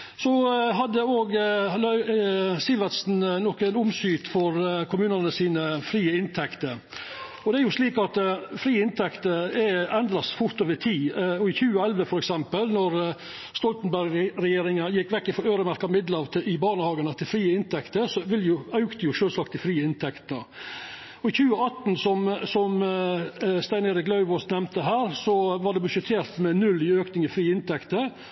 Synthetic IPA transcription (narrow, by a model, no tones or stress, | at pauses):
sɔɦɑd̪ːəoːɡl | sɪʋɑt̪snnɔkənʊmsyːt̪fɔɾkʰʊmʉːnənəsiːnəfɾiːəɪnt̪ʰɛkt̪əɾ | ɔd̪ɛæɾjʊʂliːkɑt̪fɾiːɪnt̪ʰɛkt̪əɾɛɛnd̪ɾɑsfʊɾt̪oːʋəɾt̪ʰiːɔɪçʉːəɛlʋəfɔɾɛksɛmpəlnɔɾ | st̪ɔlt̪ənbæɾɡɾɛjeːɾɪŋɑjɛkːʋɛkːɪfɔɾøːɾəmæɾkɑmɪd̪ləɑːʋt̪ʰɪʔɪbɑːɳəhɑːɡənət̪ʰɪlfɾiːəɪnt̪ʰɛkt̪əsɔʋɪljʊɑʉkt̪əjʊʃøːlsɑkt̪ɪfɾiːəɪnt̪ʰɛkt̪nə | ɔɪçʉːəɑt̪nsɔmsɔm | st̪æɪneːɾɪklɑʉʋɔsnɛmt̪əɦæːɾsɔʋɑɖɛbʉʂət̪ʰeːɾt̪mɛnʉlːɪøːknɪŋəfɾiːəɪnt̪ʰɛkt̪əɾ